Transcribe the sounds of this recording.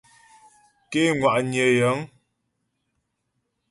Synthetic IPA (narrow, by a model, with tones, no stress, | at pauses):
ke˦ŋwa˨ʔɲjə˨jə˨˦ŋ